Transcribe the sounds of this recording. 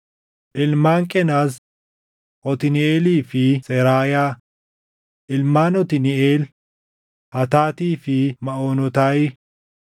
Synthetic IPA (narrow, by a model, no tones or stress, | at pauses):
ʔɪlmaːŋkʼɛnaːs | ʔɔt̪ɪnɪeːliːfɪsɛɾaːjaː | ʔɪlmaːnɔt̪ɪnɪeːl | hɐt̪aːt̪iːfɪmɐoːnɔt̪aj